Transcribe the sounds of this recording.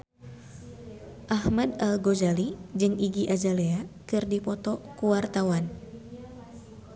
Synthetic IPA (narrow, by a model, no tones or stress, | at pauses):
ʔahmadalɡod͡ʒalid͡ʒɨŋiɡiʔad͡ʒaleakɨrdipɔt̪ɔkuwart̪awan